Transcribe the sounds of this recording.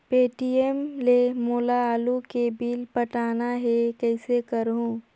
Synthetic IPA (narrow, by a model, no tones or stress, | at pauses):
peːʈiemlemoːlaaːlukebiːlpɐʈaːnaɦɛkɛːɪsekəɾɦũː